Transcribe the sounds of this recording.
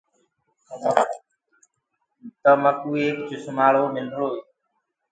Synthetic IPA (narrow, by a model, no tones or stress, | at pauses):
t̪əməkuːeːkt͡ʃʊsʊmaːɭoːmɪlɖʱɭoːeː